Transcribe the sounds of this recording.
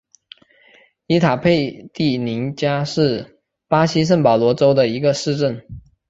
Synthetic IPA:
i˧˥t̪ʰa˨˩pʰe˥˧ɪt̪i˥˩ni˧˥nt͡ɕja˥ʂɻ̩˥˩ | pa˥ɕi˥ʂ̬ə˥˩npɑ˨˩ʊlwɔ˧˥ʈ͡ʂo˥ʊd̪ə˨i˧˥ɡə˧ʂɻ̩˥˧ʈ͡ʂə˥˩n

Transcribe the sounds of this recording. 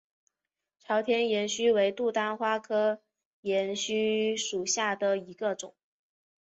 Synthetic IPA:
ʈ͡ʂʰɑ˧˥ʊt̪ʰjɛ˥njɛ˧˥nɕy˥we˧˥ɪt̪u˥˩t̪a˥nxwa˥kʰɤ˥ | jɛ˧˥nɕy˥ʂu˨˩ɕja˥˩d̪ə˩i˧˥ɡə˧ʈ͡ʂʊ̰˨˩˦ŋ

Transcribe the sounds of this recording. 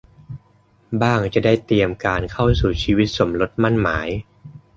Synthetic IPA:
baː˥˩ŋt͡ɕa˨˩daː˥˩jt̪i˧əmkaː˧nkʰa˥˩wsuː˨˩t͡ɕʰiː˧wi˦˥t̪̚so˩˦mlo˦˥t̪̚ma˥˩nmaː˩˦j

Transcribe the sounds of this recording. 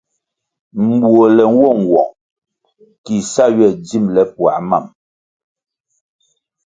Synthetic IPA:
m̩˨bwo˨lɛ˨ŋ˦wɔ˦˨ŋ̩˨wɔ̰˨ŋ | ki˨sa˦˨ɥɛ˦˨d͡zi˦˨mlɛ˨pwa̰˨ma̰˦˨m

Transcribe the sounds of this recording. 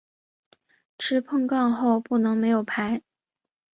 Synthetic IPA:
ʈ͡ʂʰɻ̩˥pʰɤ˥˧ŋkɑ˥˧ŋxo˥˧ʊpu˥˩nɤ˧˥ŋme˧˥ɪjo˨˩ʊpʰa˧˥ɪ

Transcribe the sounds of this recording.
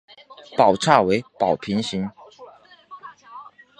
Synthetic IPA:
pɑ˨˩ʊʈ͡ʂʰa˥˩we˧˥ɪpɑ˨˩ʊpʰi˧˥ŋɕi˧˥n

